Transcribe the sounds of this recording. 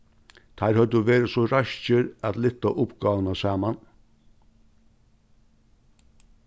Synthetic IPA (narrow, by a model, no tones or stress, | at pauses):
t̪ʰæɾhœd̪əʋeːɾəsɔɾaʃt͡ʃəɾæt̪lɪt̪ːaʔʊpɡɑːʋənasɑːman